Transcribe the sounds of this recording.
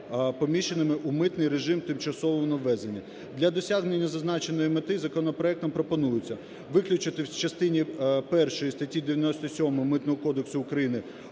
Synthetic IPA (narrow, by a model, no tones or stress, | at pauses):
pɔmʲiʃenɪmɪʔumɪt̪nɪjɾeʒɪmt̪ɪmt͡ʃɐsɔʋɔmnɐʋːɛzenʲːɐ | d̪lʲɐd̪ɔsʲaɦnenʲːɐzɐznɑt͡ʃenɔjimet̪ɪzɐkɔnɔpɾɔɛk̚t̪ɔmpɾɔpɔnujʊt͡sʲːɐ | ʋɪklʲʊt͡ʃɪt̪ɪwt͡ʃɐst̪ɪnʲipɛrʃɔjist̪ɐtʲid̪eʋjɐnɔsʲt̪ɔsʲɔmɔmɪt̪nɔɦɔkɔd̪eksʊːkɾɐjinɪ